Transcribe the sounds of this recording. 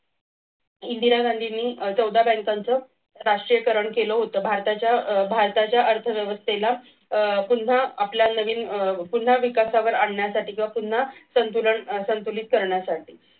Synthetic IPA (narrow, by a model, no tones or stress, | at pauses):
ind̪iɾaɡand̪ʱinːiːt͡səwd̪ʱabɛ̃ŋkant͡səː | ɾaʂʈɾijəkəɾəɳkeləɦot̪əːbʱaɾt̪at͡ɕjabʱaɾt̪at͡ɕjaʔəɾt̪ʰəʋjəʋəst̪ela | pun̤aapljanəʋiːnpun̤aʋikasaʋəɾaɽɳjasaʈiːkĩw̃ʋapun̤asənt̪uləɳsənt̪ulit̪̚kəɾɳjasaʈiː